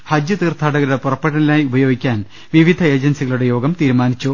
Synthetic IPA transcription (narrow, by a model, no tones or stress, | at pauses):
hɐd͡ʑjɨt̪iːrt̪ʰaːɽɐɣɐɾuɽe̞purɐpːeɽɐnilaːjiubɐjo̞ːɡikʲːaːn | ʋiʋid̪ʱɐe̞ːd͡ʑɐnsiɣɐɭuɽe̞jo̞ːɡɐmt̪iːɾumaːnit͡ɕːu